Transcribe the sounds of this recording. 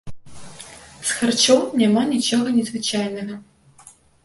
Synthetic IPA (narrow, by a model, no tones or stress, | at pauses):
sxart͡ʃɔwnʲamanʲit͡ʃɔɣɐnʲɛzvɨt͡ʃajnɐɣɐ